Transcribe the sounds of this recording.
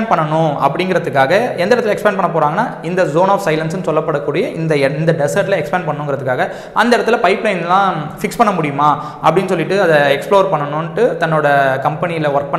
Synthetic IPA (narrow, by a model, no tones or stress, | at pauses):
npɐɳːɐɳʊ̃ɐ̰pːɐɽɪŋɡɪɾɐðɯkːaːɣɐɛnd̪ɐɪɽɐt̪ːɪlɛkspaːnpɐɳːɐp̬oːɾaːŋɡɐnːaːɪnd̪ɐzoːnaːfsɐɪlɐnsɯnɯsɔlːɐpːɐɽɐkːuːɽɪjɐʔɪnd̪ɐɪnd̪ɐɖɛsɐɾʈlɐɛkspaːnpɐɳːɐːʊ̃ŋɡɪɾɐðɯkːaːɣɐ | ʔɐnd̪ɐɪɽɐt̪ːɪlɐpɐɪplɐɪnlãːfɪkspɐɳːɐmʊɽɪjɯmaː | ʔɐpːɐɽɪnːɯsɔlːɪʈːɯɐðɐɛksploːɾpɐɳːɐnʊ̃nʈːɯt̪ɐnːoːɽɐkɐmpɐnɪjɪlɐʋɐɾk̚pɐɳ